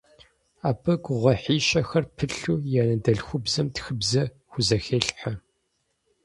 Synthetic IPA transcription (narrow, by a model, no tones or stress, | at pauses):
aːbɐɡʷʁʷɔħiːɕɐxɐrpʰɨɬuːjaːnɐdɐɮxʷʊbzɐmtxɨbzɐ | xʷʊzɐxeːɬħɐ